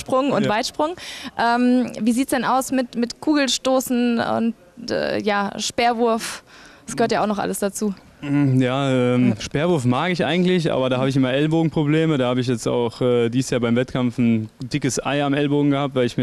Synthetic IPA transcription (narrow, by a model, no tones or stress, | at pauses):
ʃpʁ̥ʊŋʊnv̥aɪtʃpʁ̥ʊŋʔɛːmviːziːtsd̥ɛnaʊsmɪtmɪtkʰuːɡl̩ʃtoːsn̩ʊ̰nt | ɛ̰jaːʃpeːɐvʊɐfdsɡ̥əhøɐtjaʊxnɔχʔa̰ləsd̥at͡suː | jaːʔɛːmʃpeːɐvʊɐfmaːɡɪçʔa̰ɪɡŋ̩tlɪçʔa̰ːbɐɾaːhaːbəɪç̬ʔɪmɐʔɛlboːɡŋ̩pʁ̥obleːmədaːhaːbəɪç̬jɛt͡sta̰ʊxʔɛːdiːsjaːɐbaɪmvɛtkʰamftn̩dɪkəsʔa̰ɪamʔɛlboːɡŋ̩ɡəhaːp̚tv̥aɪɪçmiː